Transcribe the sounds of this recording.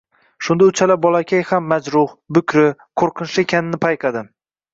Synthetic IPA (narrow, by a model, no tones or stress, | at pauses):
ʃʊnd̪aʊt͡ʃʰalabɒlˠakʲʰajhamːad͡ʒɾʊhbʊkʲʰɾɪqʰoɾqʰɨnʃɪekʲʰanɪnɪpʰajqʰɑd̪ɪ